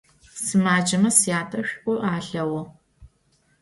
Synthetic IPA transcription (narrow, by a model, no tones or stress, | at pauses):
sɨmaːd͡ʒɐmɐsjaːtʰʼɐɕᶣʔʷʼʊʔaːɬɐwɐ